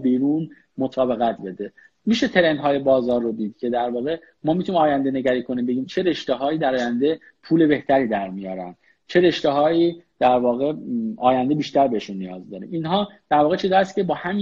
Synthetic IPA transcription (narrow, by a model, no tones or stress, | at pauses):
biːɾuːn | mo̞t̪ʰɒːbe̞ɣæt̪ʰbe̞d̪e̞ | miːʃet̪ʰe̞ɾe̞nd̪ɦɒːje̞bɒːzɒːɾːod̪iːd̪̥̚cʰe̞d̪æɾvɒːɣe̞ | mɒːmit̪ʰunimɒːjænd̪e̞ne̞ɟæɾiːkʰo̞nimbe̞ɟiːmt͡ʃʰe̞ɾe̞ʃt̪eɦɒːiːd̪æɾɒːjænd̪e̞ | pʰuːle̞be̞ht̪ʰæɾiːd̪æɾmijɒːɾæ̰nd̪̥ | t͡ʃʰe̞ɾe̞ʃt̪eɦɒːiːd̪̥æɾvɒːɣe̞ɒːjænd̪e̞biːʃt̪æɾbeheʃunːijɒːzd̪ɒːɾḭmiːnɦɒːd̪̥æɾvɒːɣet͡ʃʰid̪ɒæst̪cʰe̞bɒːhæmi